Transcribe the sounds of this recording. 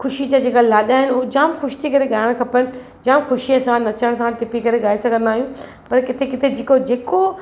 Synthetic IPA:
xʊʃid͡ʑad͡ʑeːkalaːɗaɦɪnʊɦod͡ʑãːmxʊʃɪ̥t̪ʰikɐɾeɠaːɪɽ̃kʰɐpənɪ̆ | d͡ʑãːmxʊʃiɐsãnɐt͡ɕəɽ̃sãʈɪpikɐɾeɠaːesɐɡʱə̃nd̪aːɦijũ | pɐɾkɪt̪ʰekɪt̪ʰed͡ʑeːkod͡ʑeːko

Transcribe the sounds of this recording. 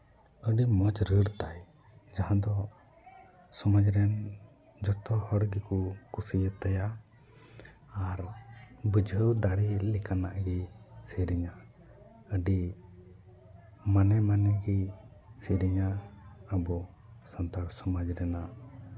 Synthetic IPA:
əɖimɔd͡ʒɾəɽt̪aj | d͡ʒaɦãd̪ɔ | sɔməd͡ʒɾɛn | d͡ʒɔt̪ɔhɔɽɡikukusijət̪ːɛja | aɾbəd͡ʒʱəwd̪aɽilɛkanaʔɡisiɾiɲa | əɖi | manɛmanɛɡisiɾiɲaəbɔ | sənt̪aɾsɔməd͡ʒɾɛna

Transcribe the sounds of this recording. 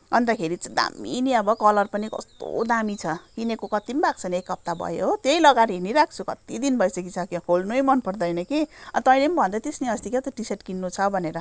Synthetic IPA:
ʌnt̪akʰeɾit͡sʌd̪a̰mːḭniʌbʌkʌlʌrpʌnikʌ̰st̪o̰d̪amit͡sʰʌkinekokʌt̪imbak̚t͡sʰʌnekːʌp̚t̪abʱʌ̰jot̪jejlʌɡaɾɦiniɾak̚ʰt͡sʰukʌt̪id̪inbʱʌjsʌk̬it͡sʰʌkikʰolnujmʌnpʌrd̪ʌjnʌkiʌt̪ʌjnembʱʌnd̪at̪esniʌst̪ikat̪oʈiseʈkinːut͡sʰʌbʱʌneɾʌ

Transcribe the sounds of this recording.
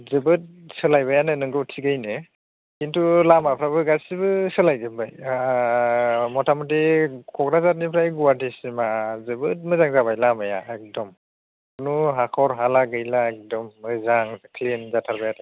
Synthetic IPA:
zɯbɯt̚sɯlajbajanɯnɯŋɡɯwtʰiɡajnɯ | kintulamapʰɾabɯɡasibɯsɯlajdɯmbaja | mɔtʰamɔt̬ikʰɔkɾazat̚nipʰɾajɡuwatisimazɯbɯt̚mɯzaŋzabajlamaja̰ɛk̚dɔm | nuɦakʰɔɾɦalaɡɯjlaɛk̚dɔmːɯzaŋkʰlinzatʰaɾbajatɯ

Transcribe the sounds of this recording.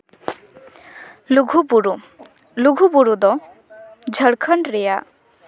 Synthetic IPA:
uɡʱubuɾu | luɡʱubuɾud̪ɔ | d͡ʒʱəɽkʰəɳɾɛja

